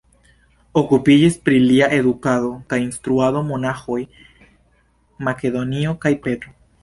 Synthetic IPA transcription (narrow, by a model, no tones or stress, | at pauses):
o̞kupid͡ʒispɾiliaʔe̞ðukaðo̞kajinst̪ɾuaðo̞mo̞naxo̞j | make̞ðo̞nio̞kajpe̞t̪ɾo